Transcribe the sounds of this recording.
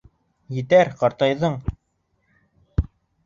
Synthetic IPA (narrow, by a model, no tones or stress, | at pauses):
jɘ̆t̪æɾqɑɾt̪ɑjðɤɴ